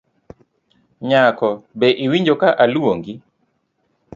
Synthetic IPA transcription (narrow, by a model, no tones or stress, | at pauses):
ɲakɔbɛʔiwiɲd͡ʒokaʔaluoŋɡi